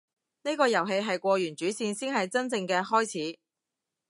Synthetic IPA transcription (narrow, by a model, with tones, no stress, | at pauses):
ne˥jkɔː˧jɐ˨˩wɦe˧jɦɐ˨jkʷɔː˧jyː˨˩nt͡ʃyː˨˥siː˧nsiː˥nɦɐ˨jt͡sɐ˥nt͡sɪ˧ŋkɛː˧ɦɔː˥jt͡sʰiː˨˥